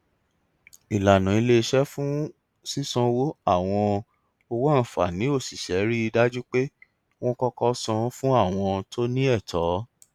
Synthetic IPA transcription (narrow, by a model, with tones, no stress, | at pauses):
i˨la˨nã˨i˧le˦˧ʃɛ˦fũ˦ | si˦sɔ̃˧wo˦a˦˨w̃ɔ̃˧ | o˧wa˦n̩˨fa̰˨nĩ˨˦o˦˨si˨ʃɛ˨˦ɾi˦i˧da˦d͡ʒu˦k͡pe˦ | w̃ɔ̃˦kɔ˦kɔ˧sɔ̃˧˦fũ˦a˦˨w̃ɔ̃˧to˦nĩ˦ɛ˦˨tʰɔ˨˦